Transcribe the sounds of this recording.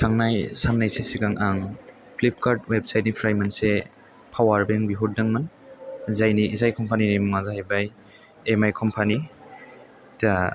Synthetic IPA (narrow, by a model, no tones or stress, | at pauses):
sʰaŋnajsaŋnajsesiɡaŋʔaŋ | pʰlip̚kaɾdweb̚sajt̚nipʰɾajmanse | pʰawaɾbeŋbiɦut̚daŋman | zajniʔːzajkʰɔmpʰaninimuŋazahajbaj | emajkʰɔmpʰani | ta